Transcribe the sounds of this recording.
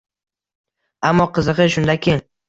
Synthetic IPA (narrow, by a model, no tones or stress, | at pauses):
amːɒqʰɨzɨqɨʃʊnd̪akʲeŋ